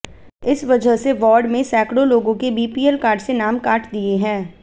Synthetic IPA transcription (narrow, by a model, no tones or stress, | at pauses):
ɪsʋɐd͡ʒʱəɦseʋɔːɾɖmẽsɛːkɽoloːɡõkebʱiːpiːɛlkaːɾɖsenaːmkaːʈd̪ieɦɛ̃ː